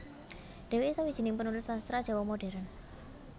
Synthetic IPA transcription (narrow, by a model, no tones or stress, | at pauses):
ɖ̥e̤wesawid̥ʒ̥i̤nɪŋpənulɪsast̪ɾad̥ʒ̥a̤wɔmoɖ̥e̤ɾan